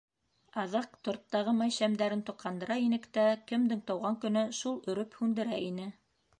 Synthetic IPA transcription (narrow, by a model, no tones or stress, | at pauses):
ɑðɑqt̪ŏɾt̪ːɑʁɤmɑjʃæmd̪æɾɘnt̪ŏqqɑnd̪ɤ̆ɾɑinɘ̆kt̪ækɘ̆md̪ɘŋt̪ɑwʁɑŋkɵ̆nɵʃulˠɵ̆ɾɵphʉnd̪ɘ̆ɾæʔinɘ